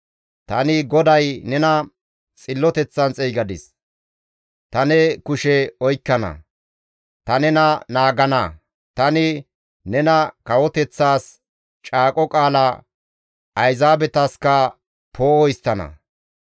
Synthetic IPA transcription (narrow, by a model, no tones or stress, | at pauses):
t̪ɐnɪɡɔd̪ɐjnɛnɐ | t͡sʼɪlːɔt̪ɛt͡sːɐnt͡sʼɛjɡɐd̪ɪs | t̪ɐnɛkʊʃɛɔjkːɐnɐ̰ | t̪ɐnɛnɐnaːɡɐnɐ | t̪ɐnɪ | nɛnɐkɐwɔt̪ɛt͡sːaːs | t͡ʃʼaːkʼɔkʼaːlɐ | ʔɐjzaːbɛt̪ɐskɐ | pʰoːɔɪst̪ːɐnɐ̰